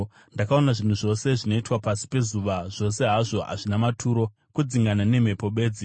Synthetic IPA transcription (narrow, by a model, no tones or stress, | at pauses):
ndakaonaʐin̤uʐo̞se̞ʐino̞itwapasi̥pe̞zuʋaʐ̥o̞se̞ɦaʐo̞a̰ʐinamatʰuːɾo̞ | kud͡ziŋɡanane̞m̤e̞po̞ɓe̞ːd͡zi